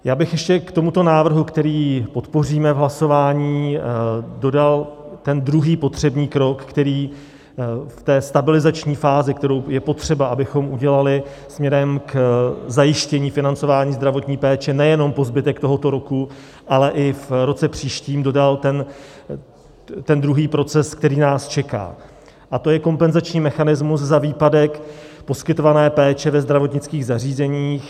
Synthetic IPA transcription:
jaːbɪxjɛʃcɛkt̪o̞mut̪o̞naːvr̩ɦukt̪ɛɾiːpo̞t̪po̞riːmɛvɦlaso̞vaːɲiː | do̞dalt̪ɛnd̪ɾuɦiːpo̞t̪r̝̥ɛbɲiːkɾo̞kːt̪ɛɾiː | ft̪ɛːst̪abɪlɪzat͡ʃɲiːfaːzɪk̚t̪ɛɾo̞wjɛpo̞t̪r̝̥ɛbaʔabɪxo̞mʔuɟɛlalɪ | smɲɛɾɛmkzajɪʃcɛɲiːfɪnant͡so̞vaːɲiːzd̪ɾavo̞t̪ɲiːpɛːt͡ʃɛnɛjɛno̞mpo̞zbɪt̪ɛkt̪o̞ɦo̞t̪o̞ɾo̞ku | ʔalɛʔɪfɾo̞t͡sɛpr̥iːʃciːmdo̞dalt̪ɛn | t̪ɛnd̪ɾuɦiːpɾo̞t͡sɛsk̚t̪ɛɾiːnaːst͡ʃɛka̰ː | ʔat̪o̞jɛko̞mpɛnzat͡ʃɲiːmɛxanɪzmuszaviːpadɛkpo̞skɪt̪o̞vanɛːpɛːt͡ʃɛvɛzd̪ɾavo̞t̪ɲɪt͡skiːɣzariːzɛɲiːx

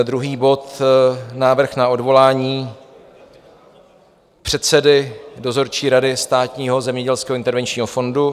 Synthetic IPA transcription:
d̪ɾuɦiːbo̞t̪naːvr̩xnao̞dvo̞laːɲiː | pr̝̥ɛt̪sɛdɪdozo̞ɾt͡ʃiːɾadɪst̪aːt̪ɲiːɦozɛmɲɛɟɛlskɛːɦoɪnt̪ɛɾvɛnt͡ʃɲiːɦofo̞ndu

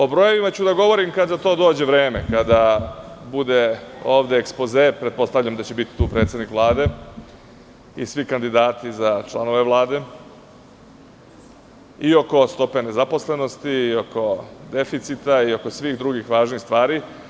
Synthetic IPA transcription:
o̞bɾoje̞ʋimat͡ɕud̪aɡo̞ʋo̞ɾimkad̪at̪o̞ːd̪o̞ːd͡ʑe̞ʋɾeːme̞kad̪a | bud̪e̞o̞ːʋd̪e̞ːkspo̞zepɾet̪̚po̞st̪aʋʎamd̪at͡ɕe̞bit̪i̥t̪uːpɾe̞ːt̪sed̪nikʋlˠaːd̪e̞ | ḭsʋikand̪id̪aːt̪izat͡ʃlˠano̞ʋe̞ʋlˠaːd̪e̞ | io̞ko̞st̪o̞pe̞ne̞zapo̞sle̞no̞st̪iːo̞ko̞d̪e̞fit̪sit̪aio̞ko̞sʋiːɣd̪ɾuɡixʋaːʒniːxst̪ʋaːɾi

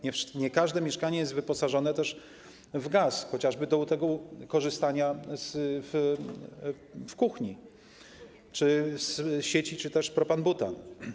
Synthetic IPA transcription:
ɲɛfʂɲɛkaʐd̪ɛmʲjɛʂkaɲɛjɛst̪vɘpɔsaʐɔnɛt̪ɛʂ | vɡasxɔt͡ɕaʐbɘd̪ɔut̪ɛɡɔkɔʐɘst̪aɲazf | fkuxɲi | t͡ʂɘsɕet͡ɕit͡ʂɘt̪ɛʂpɾɔpanbut̪a̰

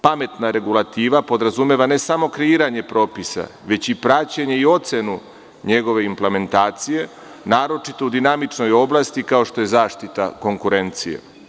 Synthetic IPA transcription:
pame̞t̪naɾe̞ɡulˠat̪iːʋapo̞d̪ɾazume̞ʋane̞samo̞kɾe̞iːɾaɲe̞pɾo̞ːpisa̰ʋe̞t͡ɕipɾat͡ɕeɲe̞io̞t̪senu | ɲe̞ɡo̞ʋe̞imple̞me̞nt̪aːt̪sije̞ | naːɾo̞t͡ʃit̪oud̪inamit͡ʃno̞jo̞blˠast̪ikao̞ʃt̪o̞je̞zaːʃt̪it̪a̰ko̞ŋkuɾe̞nt̪sijḛ

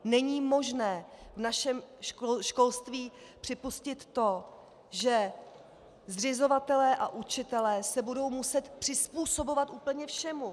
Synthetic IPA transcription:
nɛɲiːmo̞ʒnɛːvnaʃɛmʃko̞lst̪viː | pr̥ɪpuscɪt̪ːo̞ | ʒɛ | zrɪzo̞vat̪ɛlɛːʔaʔut͡ʃɪt̪ɛlɛːsɛbudo̞wmusɛt̪pr̥ɪspuːsobo̞vat̪ʔuːpl̩ɲɛfʃɛmu

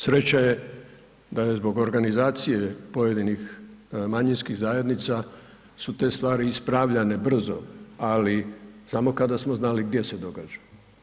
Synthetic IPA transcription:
sɾe̞t͡ɕaje̞ | d̪ajezbo̞ɡo̞ɾɡanizaːt̪sijepo̞je̞d̪inixmaɲinskiɣzaje̞d̪nit̪sa | sut̪e̞ːst̪ʋaːɾiispɾaʋʎane̞br̩zo̞̰alisamo̞kad̪asmo̞znaliɡd̪je̞se̞d̪o̞ɡad͡ʒḁ

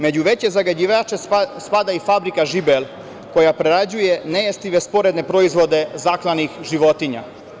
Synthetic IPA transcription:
me̞d͡ʑuʋe̞t͡ɕezaɡad͡ʑiʋaːt͡ʃespad̪aifabɾikaʒibelˠ | ko̞japɾeɾad͡ʑuje̞nejest̪iʋe̞spo̞ɾe̞d̪ne̞pɾo̞izʋo̞d̪e̞zaklanixʒiʋo̞t̪iɲa̰

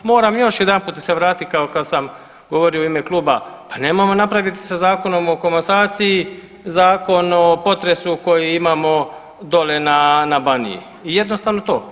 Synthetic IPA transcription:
mo̞ːɾamjo̞ʃjed̪anpuːt̪d̪aseʋɾaːt̪it̪kaokad̪sam | ɡo̞ʋoɾijoimeklˠuːbapanemojmo̞napɾaʋit̪i̥sazaːko̞no̞mo̞komasaːt̪siji | zaːko̞nopo̞t̪ɾe̞suko̞jiimaːmo̞ | d̪o̞le̞nanabanḭjḭ | ije̞d̪no̞st̪aːʋno̞t̪o̞ː

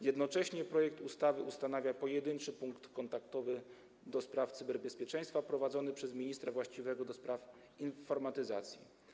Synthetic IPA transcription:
jɛd̪nɔt͡ʂɛɕɲɛpɾɔjɛk̚t̪ust̪avɘust̪anavʲjapɔjɛd̪ɘnt͡ʂɘpuŋkt̪kɔnt̪ak̚t̪ɔvɘ | d̪ɔspɾaft̪sɘbɛɾbɛspʲjɛt͡ʂɛj̃st̪fapɾɔvad̪zɔnɘpʂɛzmʲiɲist̪ɾavwaɕt͡ɕivɛɡɔd̪ɔspɾaf | infɔɾmat̪ɘza̰t̪sʲjḭ

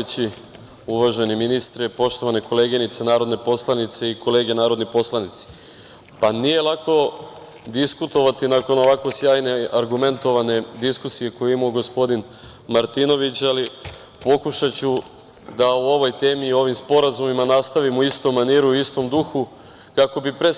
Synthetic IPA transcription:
et͡ɕi | uʋaʒeniminist̪ɾɛpo̞ʃt̪o̞ʋaneko̞le̞ːɡinit̪senaːɾo̞d̪nepo̞slˠanit̪se̞ikʰo̞le̞ːɡe̞naːɾo̞d̪nipo̞slanit̪se̥ | panije̞lˠako̞ | d̪iskut̪o̞ʋat̪inako̞no̞ʋako̞sjaːjne̞aɾɡume̞nt̪o̞ʋane̞d̪iskusije̞kojuimoɡo̞spo̞d̪in | maɾt̪ino̞ʋit͡ɕali | po̞kuʃat͡ɕu | d̪auo̞ʋo̞jt̪e̞ːmiːo̞ʋimspo̞ɾazumimanast̪aʋimuist̪omːaniːɾuist̪o̞md̪uxu | kako̞bipɾe

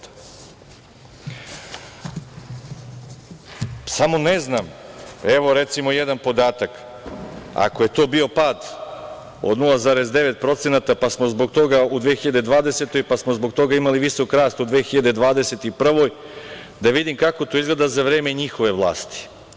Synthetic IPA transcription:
samo̞nezname̞ʋo̞ɾe̞t̪simo̞jed̪anpo̞d̪aːt̪ak | a̰koje̞t̪o̞ːbio̞paːd̪ | o̞̰d̪nulˠazaːɾe̞zd̪e̞ʋe̞t̪pɾo̞t̪se̞nat̪apasmozbo̞ɡt̪o̞ɡaud̪ʋexiʎad̪ed̪ʋaːd̪e̞set̪o̞jpasmo̞zbo̞ɡt̪o̞ɡaimaliʋiso̞kɾaːst̪ud̪ʋeːxiʎad̪e̞d̪ʋaːd̪eset̪iupr̩ʋo̞j | d̪aʋid̪imkako̞t̪o̞izɡled̪azaʋɾeːme̞ɲixo̞ʋe̞ʋlˠa̰ːst̪i̥

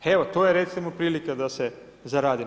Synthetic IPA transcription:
eʋot̪o̞jeɾe̞t̪simopɾiːlikad̪ase | zaɾaːd̪i

